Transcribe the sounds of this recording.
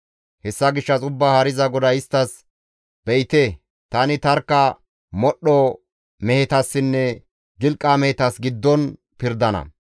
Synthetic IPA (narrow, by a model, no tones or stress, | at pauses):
hɛsːɐɡɪʃːɐt͡sʼʊbːahɐɾɪzɐɡɔd̪ɐɪst̪ːɐs | b̥ɛjɪt̪e | t̪ɐnɪt̪ɐɾkːɐ | mɔɗːɔ | mɛhɛt̪ɐsːɪnːɛ | ɡɪlkʼːaːmɛhɛt̪ɐsɡɪd̪ːɔn | pɪɾd̪ɐnɐ̰